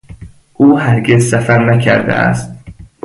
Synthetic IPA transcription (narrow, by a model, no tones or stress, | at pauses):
ʔuːhæɾɡezsæfæɾnæcʰæ̰ɾd̪ḛʔæ̰st̪̚